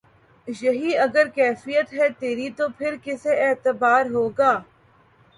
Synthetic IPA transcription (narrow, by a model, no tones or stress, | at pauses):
jɐɦiɐɡəɾkɛːfijət̪ɦɛt̪eːɾit̪opʰɪɾkɪseɛːt̪əbaːɾɦoːɡaː